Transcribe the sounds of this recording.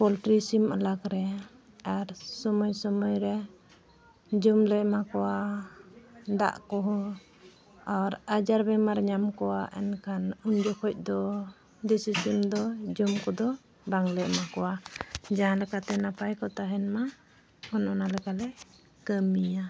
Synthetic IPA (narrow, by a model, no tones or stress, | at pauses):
pɔlʈɾisimalakɾɛ | aɾsɔmɔjsɔmɔjɾɛ | d͡ʒumlɛʔmakɔwa | d̪a̰ʔkɔɦɔ | aɾad͡ʒaɾbɛmaɾɲamkɔwaʔɛ̰nkʰanuɲd͡ʒɔkʰɔc̚ˀd̪ɔ | d̪isisimd̪ɔd͡ʒumkɔd̪ɔ | baŋlɛʔ̚makɔwad͡ʒaɦãlɛkat̪ɛnapajkɔt̪aɦɛnma | ɔnɔnalɛkalɛ | kəmija